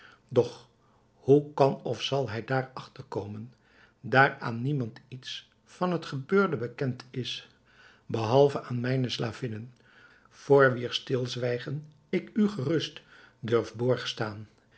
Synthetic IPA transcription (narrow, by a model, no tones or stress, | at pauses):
dɔχ | hukɑnɔfsɑlˠɦɛjdaːɹɑχtəɹkowmən | daːɹaːnːimɑntits | fɑnɦətχəbøːɹdəbəkɛntɪs | bəɦɑlˠvəʔaːnmɛjnəslaːvɪnən | v̥oːɹʋiːɹstɪlˠzʋɛjχən | ɪkyχərɵst | dɵɹfbʊːɹχəstaːn